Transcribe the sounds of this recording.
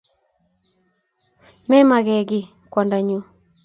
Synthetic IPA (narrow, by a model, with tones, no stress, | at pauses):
mɛ˦ma˨ɣɛ˨ɡɪ˨ | kwɔ˨nda˨ɲu˨˦